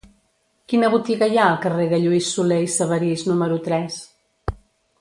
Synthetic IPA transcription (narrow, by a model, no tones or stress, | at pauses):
kinəβut̪iɣəjaəlˠkəreɣəʎuisːulejsəβəɾiznuməɾut̪ɾɛs